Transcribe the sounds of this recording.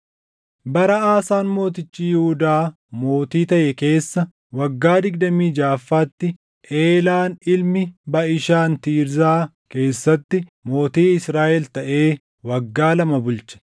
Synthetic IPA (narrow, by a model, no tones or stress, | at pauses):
bɐɾɐaːsaːnmo̞ːt̪ɪt͡ʃːiːjɪhʊd̪aː | mo̞ːt̪iːt̪ɐʔɛke̞ːsːɐ | wɐɡːaːd̪ɪɡ̚d̪ɐmiːd͡ʒaːfːaːt̪ːɪ | ʔeːlaːnɪlmɪbɐʔɪʃaːnt̪iːɾzaː | ke̞ːsːɐt̪ːɪmo̞ːt̪iːɪsɾaːʔɛlt̪ɐʔe̞ː | wɐɡːaːlɐmɐbʊlt͡ʃɐ̥